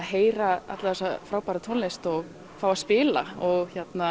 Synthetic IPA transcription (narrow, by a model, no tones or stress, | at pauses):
ɦeːjɾaa̰t̪laθɛsafɾaːwpaːɾat̪ʰownlejst̪ɔɣ | faːwaspɪːla̰ɔɣçɛt̪na